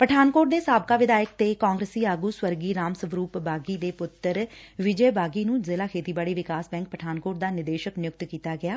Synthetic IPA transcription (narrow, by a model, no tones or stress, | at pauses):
pəʈʰaːnkoːʈ̚d̪eːsaːb̚kaːʋɪd̪aːjək̚t̪eːkãːŋɡɾəsiːaːɡuːswəɾɡiːɾaːmsəʋɾuːpbaːɡiːd̪eːpʊt̪ːəɾʋɪd͡ʒəːbaːɡiːnũːzɪːlaːkʰeːt̪iːbaːɽiːʋɪkaːsbɛ̃ːŋk̚pəʈʰaːnkoːʈ̚d̪aːnɪd̪eːʃəknɪjʊk̚t̪kiːt̪aːɡɪaː